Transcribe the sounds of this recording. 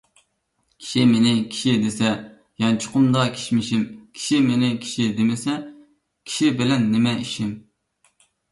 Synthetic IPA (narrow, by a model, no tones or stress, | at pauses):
kʲʰi̥ʃimenɪkʲʰi̥ʃid̪esɛ | jɑnt͡ʃʰʊ̥qʊmd̪ɑkʲʰe̥ʃmɪʃimkʲʰi̥ʃimenɪkʲʰi̥ʃid̪emɪsɛ | kʲʰi̥ʃibɪlɛnːɪmɛiʃim